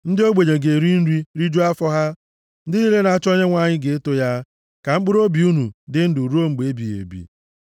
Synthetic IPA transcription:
n̩˦dɪ˦o˦ɡ͡be˨ɲe˨ɡe˨ɾi˦n̩˦ɾi˦ɾi˦d͡ʒu˦a˦fɔ˦ɦa˦ | n̩˦dɪ˦ni˦le˦na˨a˦t͡ʃɔ˦ɲe˦ŋʷa˦˨ɲɪ˦ɡe˨e˦to˦ja˦ | ka˨ŋ͡m̩˦k͡pʊ˦ɾo˦bi˨u˦nu˨dɪ˦n̩˦dʊ˨ɾu˦o˦ŋ͡m̩˨ɡ͡be˨e˦bi˨ḛ˨bḭ˨

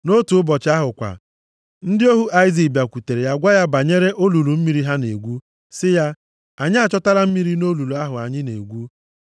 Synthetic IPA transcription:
no˦tu˨˦bɔ˨t͡ʃa˦ɦʊ˨kʷa̰˨ | n̩˦dɪ˦o˦ɦu˦ʔa˦i˦zi˨bja˨kʷu˨te˨ɾe˨ja˦ɡʷa˦ja˦ba˨ɲe˦ɾe˦ʔo˦lu˨lu˨m̩˦mi˦ɾi˦ɦa˦ne˨ɡʷu˦ | sɪ˦ja˦ | a˨ɲɪ˦a˨t͡ʃɔ˦ta˦ɾa˦m̩˦mi˦ɾi˦no˦lu˨lu˨a˦ɦʊ˨a˨ɲɪ˦nḛ˨ɡʷu˦

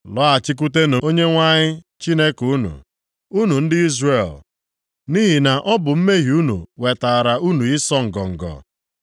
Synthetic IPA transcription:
lɔ˦a˨t͡ʃɪ˦k̬u˦te˦no˨o˦ɲe˦ŋʷa˦ɲɪ˦ | t͡ʃi˦ne˦ku˦nṵ˨ | u˦nu˨n̩˦dɪ˦i˦zre˦˨l | ni˦ɦi˨na˨ʔɔ˦bʊ˨m̩˦me˦ɦi˨u˦nṵ˨we˨ta˨ɾa˨u˦nu˨i˦sɔ˦ŋ̩˨ɡɔ˨ŋ̩˨ɡɔ̰˨

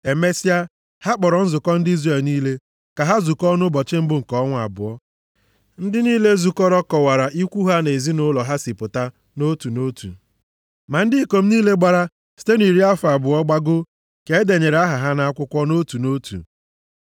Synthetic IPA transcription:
e˨me˦si˦a˦ | ha˦k͡pɔ˨ɾɔ˨n̩˦zʊ˨kɔ˦n̩˦di˦zɾe˨lniː˦le˦ | ka˨ɦa˦zu˨kɔ˦nʊ˦bɔ˨t͡ʃɪ˦m̩˦bʊ˦˨ŋ̩˨kɔ˦ŋʷ˦a̰˨bʊ̰˨ɔ˦ | n̩˦dɪ˦niː˦le˦zu˨kɔ˦ɾɔ˦kɔ˨wa˨ɾa˨ʔi˦kʷu˦ɦa˦ne˨zi˦nʊ˦lɔ˨ɦa˦si˨pʊ˨ta˦ | no˦tu˨no˦tṵ˨ | ma˨n̩˦dɪ˦˨ko˨m̩˦niː˦le˦ɡ͡ba˨ɾa˦ | si̥˦te˦n˨i˨ɾi˦a˦fa˨bʊ˨ɔ˦ɡ͡ba˦ɡʊ˦ | ke˨˦de˨ɲe˨ɾe˨a˦ɦa˨ɦa˦na˨a˦kʷʊ˦kʷɔ˦no˦tu˨no˦tṵ˨

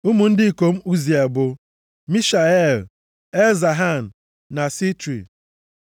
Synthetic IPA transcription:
u˦mu˨n̩˦dɪ˦i˨ko˨m̩˦u˦zi˨e˨bʊ˨ | mi˦ʃa˨e˦˨l | e˦za˨ɦa˦˨n̩˨ | na˨si˦tɾḭ˨

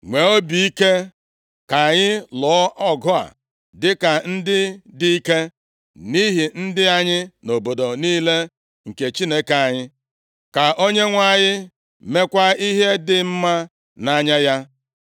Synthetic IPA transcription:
ŋʷe˨o˦bi˨i˦ke˦ | ka˨ɲɪ˦lɔ˨˦ʔɔ˦ɡʊ˦a̰˨ | dɪ˦ka˨n̩˦dɪ˦di˦i˦ke˦ | ni˦ɦi˨n̩˦dɪ˦a˦ɲɪ˦no˨bo˨do˨niː˦le˦ | ŋ̩˨ke˨t͡ʃi˦ne˦ke˨a˨ɲɪ˦ | ka˨ʔo˦ɲe˦ŋʷa˨ɲɪ˦ | me˦kʷa˦i˦ɦe˦dɪ˨m̩˦ma˦ | na˦ɲa˦ja˦

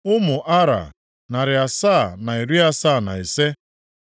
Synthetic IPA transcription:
ʊ˦mʊ˨ʔa˦ɾa̰˨ | na˨ɾɪ˨a˨sa˦˨na˨i˨ɾi˦a˦sa˦˨na̰˨i˨se˦

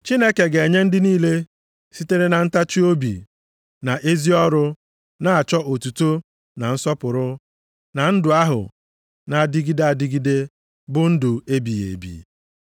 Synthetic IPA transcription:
t͡ʃi˦ne˦ke˨ɡe˨ɲe˦n̩˦dɪ˦niː˦le˦ | si˦te˦ɾe˦na˨n̩˦ta˦t͡ʃi˦o˦bḭ˨ | na˨ʔe˦zi˦ɔ˦ɾʊ˦ | na˦a˨t͡ʃɔ˦ʔo˨tu˨to˦ | na˨n̩˦sɔ˦pʊ˨ɾʊ˦ | na˨n̩˦dʊ˨a˦ɦʊ̰˨ | na˨dɪ˦ɡi˦da˨dɪ˦ɡi˦de˦ | bʊ˦n̩˦dʊ˨e˦bi˨jḛ˨bḭ˨

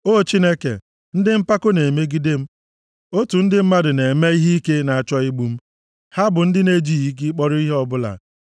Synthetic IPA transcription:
o˦˨t͡ʃi˦ne˦kḛ˨ | n̩˦dɪ˦m̩˦pa˦ko˦ne˨me˦ɡi˦de˦m̩˦ | o˦tu˨n̩˦dɪ˦m̩˦ma˦dʊ˨ne˨me˦i˦ɦi˦i˦ke˦na˨a˨t͡ʃɔ˦i˦ɡ͡bu˦m̩˦ | ha˦bʊ˨n̩˦dɪ˦ne˨d͡ʒi˦˨i˨˦k̬i˦k͡pɔ˦ɾʊ˦i˦ɦe˦ɔ˦bʊ˦la̰˨

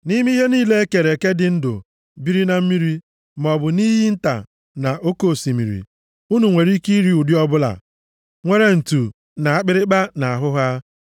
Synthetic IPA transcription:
ni˦mi˦ɦe˦niː˦le˦e˦ke˨ɾe˨ke˦dɪ˨n̩˦dʊ̰˨ | bi˦ɾi˦na˨m̩˦mi˦ɾi˦ | m˨ɔ˨bʊ˨ni˦ɦi˦n̩˦ta̰˨ | na˨ʔo˦ko˦˨si˨mḭ˨ɾḭ˨ | u˦nu˨ŋʷe˨ɾi˦ki˦ɾi˦u˨djɔ˦bʊ˦la̰˨ | ŋʷe˦ɾe˨n̩˨tu˨ | na˨a˦k͡pɪ˦ɾɪ˦k͡pa˦na˨a˨ɦʊ˦ɦa˦

